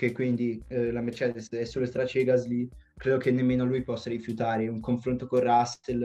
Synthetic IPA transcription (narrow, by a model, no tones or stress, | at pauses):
kekːwind̪ilamert͡ʃɛːd̪esɛsːoːloest̪ɾat͡ʃeɡazli | kɾeːd̪okenːemːeːnoalujpɔsːaɾifjut̪aːɾeuŋkoɱfɾont̪okorrastel